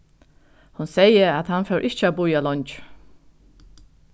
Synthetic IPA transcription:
hʊnsɛjəæt̪hanfɛwʔɪht͡ʃəæbʊjalɔɲt͡ʃ

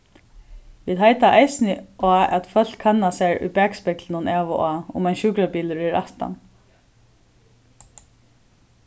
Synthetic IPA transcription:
ʋiːðɦajt̪aʔajsɪnɪʔaːɛ̰t̪fœl̥kʰanːasɛɹʊ̰jpɛːkspɛklɪnʊnɛːʋʊʔaːʊmajnʃuːkɾapiːlɾɪɾaht̪a̰n

